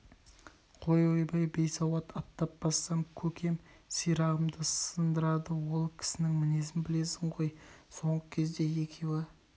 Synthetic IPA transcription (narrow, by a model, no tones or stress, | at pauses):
qʰo̞jojbɑjbe̞jsɑwɑt̪ʰɑt̪ːɑp̚bɑsːɑmkʲʰɵkʲʰe̞msijɾɑʁəmd̪əsənd̪əɾɑd̪əwo̞lˠkʲʰɪ̥sɪnɪŋmɪne̞s̬ɪnbɪle̞sɪɴʁo̞jso̞ɴʁəkʲʰe̞zd̪e̞je̞kʲʰe̞wɪ